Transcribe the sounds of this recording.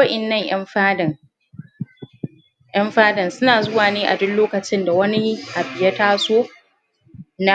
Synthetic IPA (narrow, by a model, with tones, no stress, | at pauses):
ɐ˦ʔɪ˨nːɐ˦ɲʔj̰ɐ˦mɸaː˦dɐ˨ŋ | ʔj̰ɐ˦mɸaː˦dɐ˨nsʊ˦naː˨zʊ˦waː˨neː˦ʔa̰˨dʊ˦nloː˦kɐ˨t͡ʃɪ˦nda˨wɐ˦ni˦ʔa˨bɪ˨jɐ˦taː˦soː˦ | na˦